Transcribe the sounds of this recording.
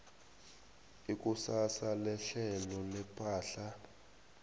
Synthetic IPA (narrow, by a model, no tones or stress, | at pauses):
ik̬ʼusasalɛɬɛlɔlɛpʰʼaːɬa